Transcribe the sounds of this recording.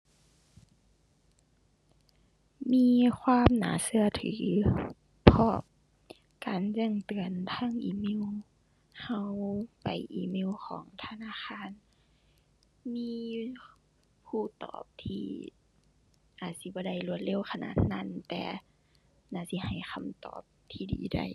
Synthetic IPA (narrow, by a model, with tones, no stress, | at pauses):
miː˧˥˨kʰwaː˧˥˨mna̰ː˨˦sɯ˧ɐt̪ʰɯː˨˦ | pʰɔ˧˩p̚ | kaː˨nt͡ɕɛ˧˩˨ŋt̪ɯ˨ənt̪ʰaː˧˥˨ŋʔiː˧me˧˥˨w | ha˧wpa˨˩jʔḭː˧˩meː˧˥˨wkʰɔ̰ː˨˦ŋt̪ʰa˧naː˧˥˨xaː˧˥˨n | miː˧˥ | pʰuː˧˩t̪ɔ̰ː˨˩p̚t̪ʰiː˧˩ | ʔaː˨˩t̪̚si˧˦bɔː˧˦da˧˩jlu˧ət̪̚le˧˥˨wxʰa˧na̰ː˧˩t̪̚na˧˥˨nt̪ɛ̰ː˧ | naː˧˩si˧˦ha˨˩jxʰa˧˩mt̪ɔ̰ː˨˩p̚t̪ʰiː˧˩dḭː˨˦da̰˧˩j